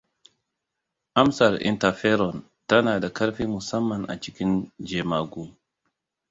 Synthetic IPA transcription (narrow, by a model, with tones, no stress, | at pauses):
ʔa˦msa˨ɾḭ˨nta˨fɛ˦ɾɔ˨n | ta˦naː˨da˨ka˦ɾfi˦mu˨sa˦mːa˨nʔa̰˨t͡ʃi˦ki˦nd͡ʒe˨ma˨ɡu˦